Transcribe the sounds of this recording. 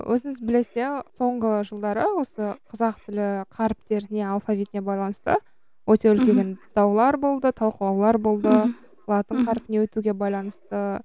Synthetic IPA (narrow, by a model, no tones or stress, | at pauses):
wʔɵ̰zɪŋɪzbɪle̞se̞so̞ɴʁəʒəlˠd̪ɑɾəwo̞səqʰəzɑqt̪ʰɪlɪqʰɑɾpt̪e̞ɾɪne̞alˠfavʲit̪ne̞bɑjlˠɑnəst̪ə̰ | wʔɵt̪e̞ʏlkʲeɡʲend̪̥ɑwlˠɑɾbo̞lˠd̪ət̪ʰɑlˠqəlˠɑwlˠɑɾbo̞lˠd̪ə | lˠɑt̪əɴqʰɑɾpɪnewɵt̪uɡʲe̞bɑjlˠɑnəst̪ə